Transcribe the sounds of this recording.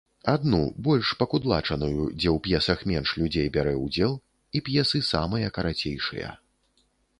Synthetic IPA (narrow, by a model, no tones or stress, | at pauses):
ad̪nubɔlʲʂpɐkud̪lˠa̰t͡ʂɐnujud͡zʲɛwpjɛsɐxmʲɛnʂlʲud͡zʲejbʲaɾɛwd͡zʲɛlˠ | ipjɛsɨsamɐjɐkɐɾat͡sʲejʂɨ̰jɐ̰